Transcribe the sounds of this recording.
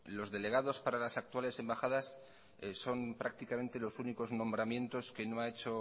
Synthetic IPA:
lo̞zðe̞le̞ɣ̞aðo̞spaɾalasak̚t̪wale̞se̞mbaxað̞as | so̞mpɾak̚t̪ikame̞nt̪e̞lo̞suniko̞znõ̞mbɾamjẽ̞nt̪o̞ske̞no̞ae̞t͡ʃo̞

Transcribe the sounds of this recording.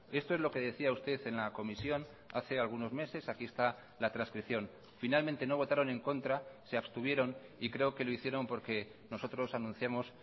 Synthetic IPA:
e̞st̪oe̞zlo̞ke̞ðe̞θiaust̪e̞θe̞nlako̞misjo̞n | a̰θe̞alɣ̞uno̞zme̞se̞sakie̞st̪a | lat̪ɾanskɾiθjo̞n | finalmẽnt̪e̞no̞β̞o̞t̪aɾo̞nẽ̞ŋko̞nt̪ɾase̞aβst̪uβ̞je̞ɾo̞nikɾe̞oke̞lo̞iθje̞ɾo̞mpo̞ɾke̞ | no̞so̞t̪ɾo̞sanũn̟θjamo̞s

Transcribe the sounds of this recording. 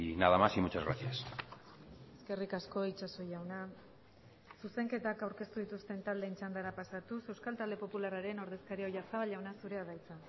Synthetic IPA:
naðamasimut͡ʃazɣɾa̰sias | e̞ske̞rikasko̞it͡ʃaso̞jawna | suse̞ŋke̞t̪akawɾke̞st̪uðit̪ust̪e̞nt̪ald̪eːnt͡ʃand̪aɾapasat̪use̞wskalt̪ald̪e̞po̞pulaɾaɾe̞no̞ɾðe̞skaɾio̞jasaβaʎawnasuɾe̞aðajt͡sa

